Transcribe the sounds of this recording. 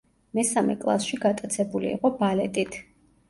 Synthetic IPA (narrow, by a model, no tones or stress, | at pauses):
mɛsamɛ̰kʼlˠa̰sʃiɡat̪ʼat̪sʰɛbulḭːqʼɔbalɛt̪ʼit̪ʰ